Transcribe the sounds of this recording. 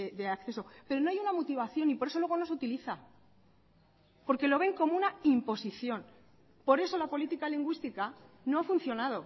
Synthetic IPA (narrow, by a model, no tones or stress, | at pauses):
eðeakθe̞so̞pe̞ɾono̞ajunamot̪iβ̞aθjo̞nipoɾesolwe̞ɣonosut̪iliθa | po̞ɾke̞lo̞β̞e̞ŋko̞mounaimpo̞siθjo̞n | po̞ɾe̞so̞lapo̞lit̪ikaliŋɡwist̪ika | no̞afun̟θjo̞naðo̞